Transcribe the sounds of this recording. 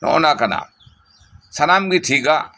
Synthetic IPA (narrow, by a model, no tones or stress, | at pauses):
nɔ̰nakɐna̰ | sɐnaːmɡiʈʰika